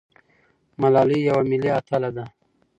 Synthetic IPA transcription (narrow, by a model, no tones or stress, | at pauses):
malɑlijawamiliat̪ʰalad̪a